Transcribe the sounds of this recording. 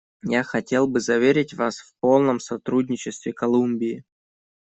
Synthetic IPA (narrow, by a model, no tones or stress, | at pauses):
jaxɐtʲe̞lˠbɨzɐvʲeɾʲɪtʲvasfpo̞lˠnəmsɐt̪ɾudʲnʲɪt͡ɕɪst̪vʲɪkɐlˠumbʲɪː